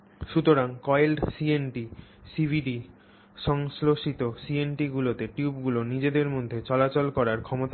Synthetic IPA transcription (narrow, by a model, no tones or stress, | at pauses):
ʃut̪oɾaŋkɔelɖsienʈisibʱiɖi | ʃɔŋsloʃit̪osienʈiɡulot̪eʈjubɡulonid͡ʑed̪eɾmod̪ʱːet͡ɕɔlat͡ɕolkɔɾaɾkʰɔmot̪a